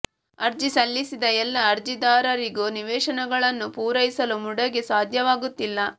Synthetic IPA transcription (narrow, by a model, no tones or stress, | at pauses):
ɐɾd͡ʒisɐlːisid̪ɐɛlːɐːɾd͡ʒid̪aːɾɐɾiɡuniʋɛːʃɐnɐɡɐɭɐnːupuːɾɐjisɐlumuɽɐɡesaːd̪ʱjɐʋaːɡut̪ːilːɐ